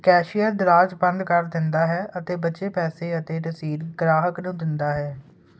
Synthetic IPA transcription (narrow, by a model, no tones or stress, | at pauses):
kɛːʃɪjaːd̪ɪɾaːd͡ʒbə̃nd̪kəɾd̪ɪnd̪aːɦɛːʔət̪eːbəːʃeːpɛːseːət̪eːʈəsiːɾɡɾaːɦəknũːd̪ɪnd̪aːɦɛː